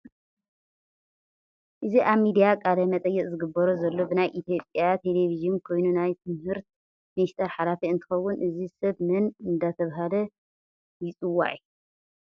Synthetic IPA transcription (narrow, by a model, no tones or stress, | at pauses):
ʔɨziʔaβmid̪ijakʼalɐmɐt̪ʼɐjːɛkʼzɨɡɨbːɐɾozɐlːo̞bɨnajʔit̪ʰijo̞pʼjat̪ʰe̞le̞viʒɨnkʰo̞jnunajt̪ʰɨmhɨɾt̪̚ | mniʃt̪ʰɐɾħalafiɨnt̪ʰɨ̥xɐwːʊnʔɨzisɐβmɨnɨnd̪at̪ʰɐβɦalɐ | jɪt͡sʼɨwːa̰ʕiju